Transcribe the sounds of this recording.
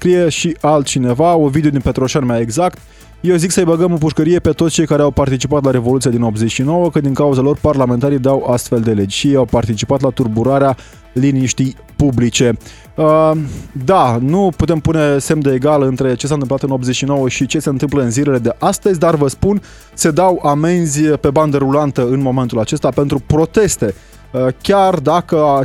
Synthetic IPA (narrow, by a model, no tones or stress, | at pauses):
skɾije̞ʃiʔalt̪t͡ʃine̞vaovid̪eod̪inpe̞t̪ɾo̞ʃanmeaeɡzakt̪ | je̞wziksəjbəɡəmopuʃkəɾije̞pe̞t̪otsʲt͡ʃe̞jkaɾeawpart̪it͡ʃipat̪laɾe̞vo̞lut̪sijad̪ino̞b̪zet͡ʃʲʃino̞wəkəd̪iŋkauzalo̞rparlament̪aɾid̪awast̪fe̞ld̪e̞le̞d͡ʒʃieawpart̪it͡ʃipat̪lat̪urbuɾaɾea | liniʃt̪ij | publit͡ʃe̞ | əd̪anuput̪e̞mpune̞se̞md̪eeɡaləɨnt̪ɾe̞t͡ʃesant̪ɨmplat̪ɨno̞bze̞t͡ʃʃino̞wəʃit͡ʃe̞se̞ɨnt̪ɨmpləɨnzilele̞d̪e̞ʔast̪əzʲd̪arvəspun | se̞d̪awamenzʲpe̞band̪əɾulant̪əɨnmo̞me̞nt̪ulat͡ʃe̞st̪ape̞nt̪ɾupɾo̞t̪e̞st̪e̞ | kʲard̪akəa